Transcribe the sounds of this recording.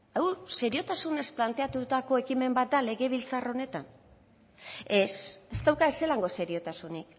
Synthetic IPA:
awse̞ɾio̞t̪asune̞splant̪e̞at̪ut̪ako̞e̞kime̞mbat̪̚d̪ale̞ɣe̞β̞ilt͡saro̞ne̞t̪an | e̞se̞st̪awkaese̞laŋɡo̞se̞ɾio̞t̪asunik

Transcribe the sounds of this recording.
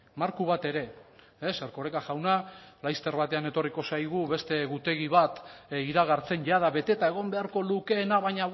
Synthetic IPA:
maɾkuβ̞at̪e̞ɾe̞ | eseɾko̞ɾe̞kaʝawnalajst̪e̞ɾβat̪e̞ane̞t̪o̞riko̞sajɣ̞uβe̞st̪e̞ɣut̪e̞ɣiβ̞at̪iɾaɣaɾt͡se̞nʝaðaβe̞t̪e̞t̪ae̞ɣ̞o̞mbe̞aɾko̞luke̞ːnaβaɲa

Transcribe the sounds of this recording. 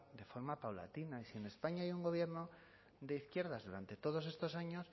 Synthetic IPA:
d̪e̞fo̞ɾmapawla̰t̪inaisie̞ne̞spaɲaajuŋɡo̞β̞je̞ɾno̞ | ðe̞iθkje̞ɾð̞azðuɾant̪e̞t̪o̞ð̞o̞se̞st̪o̞saɲo̞s

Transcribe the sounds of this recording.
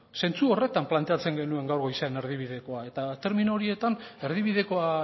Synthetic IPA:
se̞nt͡suo̞re̞t̪amplant̪e̞at͡se̞ŋɡe̞nue̞ŋɡawɾɣo̞jsene̞ɾð̞iβ̞ið̞e̞ko̞ae̞t̪at̪eɾmino̞ɾie̞t̪ane̞ɾð̞iβiðe̞ko̞a

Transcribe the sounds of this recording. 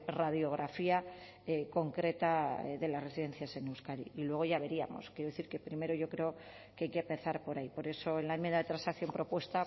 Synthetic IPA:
raðjo̞ɣ̞ɾafia | eko̞ŋkɾe̞t̪aḛðe̞lasre̞siðe̞n̟θjase̞newskaɾḭilwe̞ɣ̞o̞ʝaβe̞ɾia̰mo̞̰skjeɾoeθiɾke̞pɾime̞ɾo̞ʝokɾe̞o̞ | keajkeapeθaɾpo̞ɾaipo̞ɾe̞so̞e̞nlaemjend̪aðet̪ɾansakθjo̞mpɾo̞pwe̞st̪a

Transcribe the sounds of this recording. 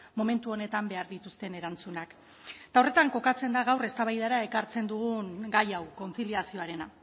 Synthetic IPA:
mo̞me̞nt̪uo̞ne̞t̪ambe̞aɾðit̪ust̪e̞ne̞ɾant͡sunak | t̪ao̞re̞t̪aŋko̞kat͡se̞nd̪aɣawre̞st̪aβajð̞aɾae̞kaɾt͡se̞nd̪uɣuŋɡajawko̞nsiliasio̞aɾe̞na

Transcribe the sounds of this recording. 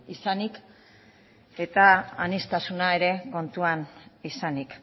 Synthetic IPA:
isanik | e̞t̪aːnist̪asunae̞ɾe̞ko̞nt̪uanisanik

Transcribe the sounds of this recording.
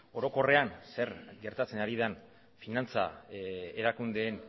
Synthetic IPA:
o̞ɾo̞ko̞re̞anse̞ɾɡe̞ɾt̪at͡se̞naɾiðan | finant͡sa̰eɾakund̪e̞ːn

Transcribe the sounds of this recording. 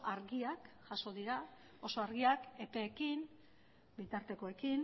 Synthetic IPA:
aɾɣiakʝaso̞ðiɾa | o̞so̞aɾɣiake̞pe̞ːkin | bit̪aɾt̪e̞ko̞e̞kin

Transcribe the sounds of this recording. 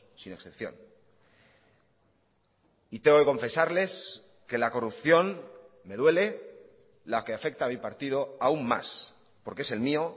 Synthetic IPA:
sineksθepθjo̞̰n | it̪eŋɡoke̞ko̞ɱfe̞saɾle̞s | ke̞lako̞rupθjo̞n | me̞ðwe̞le̞ | lakeafe̞k̚t̪aːmipaɾt̪ið̞o̞aumːa̰s | po̞ɾkee̞se̞lmio̞

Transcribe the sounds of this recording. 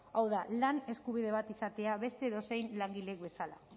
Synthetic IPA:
awðalane̞skuβ̞iðe̞β̞at̪isat̪e̞aβe̞st̪e̞ːðo̞se̞jnlaŋɡile̞kbe̞sala̰

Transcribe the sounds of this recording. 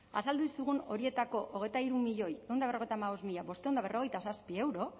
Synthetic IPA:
a̰sald̪uisuɣuno̞̰ɾie̞t̪ako̞ʔoɣe̞jt̪aiɾumiʎo̞je̞wnd̪aβ̞ro̞ejt̪amaβ̞o̞zmiʎaβo̞st̪e̞uwnd̪aβ̞e̞rʔo̞ɣe̞jt̪asaspie̞wɾo̞

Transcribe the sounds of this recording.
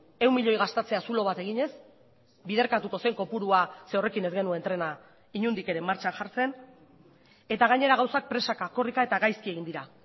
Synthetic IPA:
e̞wmiʎo̞jɣast̪et͡se̞asulo̞β̞at̪e̞ɣ̞iɲe̞s | bið̞e̞ɾkat̪uko̞seŋko̞puɾuasewre̞kine̞zɡe̞nue̞nt̪ɾe̞na | iɲund̪ike̞ɾemːaɾt͡ʃanʝaɾt͡se̞n | e̞t̪aɣaɲe̞ɾaɣawsak̚pɾe̞sakako̞rikae̞t̪aɣajskie̞ɣind̪iɾa

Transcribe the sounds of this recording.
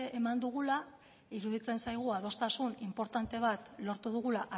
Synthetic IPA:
ʔemand̪uɣ̞ula | iɾuðit͡se̞nsajɣ̞uað̞o̞st̪asunimpo̞ɾt̪ant̪e̞β̞at̪lo̞ɾt̪uð̞uɣ̞ulaʔa

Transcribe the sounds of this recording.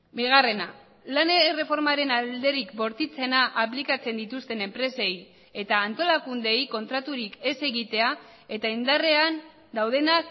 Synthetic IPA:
biɣ̞are̞na | lanere̞fo̞ɾmaɾe̞nald̪e̞ɾikbo̞ɾt̪it͡se̞naʔaplikat͡se̞nd̪it̪ust̪e̞ne̞mpɾe̞se̞j | e̞t̪aːnt̪o̞lakund̪e̞jko̞nt̪ɾat̪uɾike̞se̞ɣit̪e̞a | e̞t̪aind̪are̞an | d̪awðe̞nak

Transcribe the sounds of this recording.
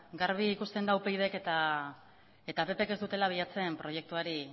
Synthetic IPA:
ɡaɾβiːkust̪e̞nd̪awpejðe̞ke̞t̪a | e̞t̪ape̞pe̞ked̪ut̪e̞laβ̞iʎat͡se̞mpɾo̞je̞k̚t̪uaɾi

